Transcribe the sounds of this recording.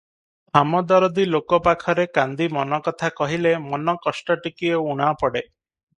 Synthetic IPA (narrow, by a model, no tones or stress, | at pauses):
amɔd̪ɔɾɔd̪ilokɔpakʰɔɾekand̪imɔnɔkɔt̪ʰakɔɦilemɔnɔkɔsʈɔʈikiɔuɽ̃apɔɽe